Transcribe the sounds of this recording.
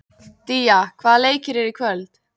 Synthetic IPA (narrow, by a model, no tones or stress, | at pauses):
t̪iːakʰvaːðleːjcɪɾɛɾikʰvœlt̪